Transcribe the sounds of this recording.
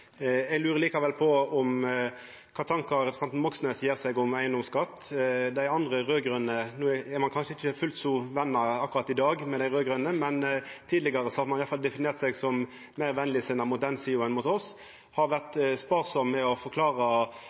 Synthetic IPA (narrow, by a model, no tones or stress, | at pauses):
ɛɡlʉːɾəliːkɑʋɛlpʰɔɔm | kʰɑːt̪ʰɑŋkɑɾɛpɾsɛnt̪n̩mɔksnœsjeːʁsɛɡʊmæɪənd̪ɔmskɑt̪ːd̪æɪɑnd̪ʁəʁøːɡɾœnːənuːɛɾmɑnkʰɑnʂəɪçəfʉlt̪sʊʋɛnːɑɑkːʊɾɑt̪ːɪd̪ɑːɡmɛd̪æɪʁøːɡɾœnəmɛnt̪ʰiːd̪lɪɡɑʁəsɔhɑɾmɑnjɑt̪fɑld̪ɛfɪneːʁt̪sɛɡsɔm | mæɪʁʋɛnlɪsɪnɑmʊt̪̚d̪ɛnsiːʊənmuːt̪ɔs | hɑɾʋæʁt̪spɑːʁsɔmːɛɔfɔɾkʰlɑːʁɑ